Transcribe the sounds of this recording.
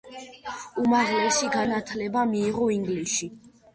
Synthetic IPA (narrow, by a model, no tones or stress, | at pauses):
umaʁlɛsiɡanat̪ʰlɛbamiːʁɔiŋɡliʃi